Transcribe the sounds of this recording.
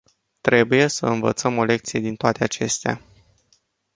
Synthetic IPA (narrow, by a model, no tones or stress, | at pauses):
t̪ɾe̞buje̞səɨnvə̰t̪səmo̞le̞k̚t̪sije̞d̪int̪oat̪e̞at͡ʃe̞st̪ea̰